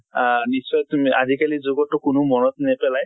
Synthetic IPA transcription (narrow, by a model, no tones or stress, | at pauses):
nisɔjtma̰zikalizʊɡɔtːʊkʊnʊmɔnɔt̚nɛpɛlaj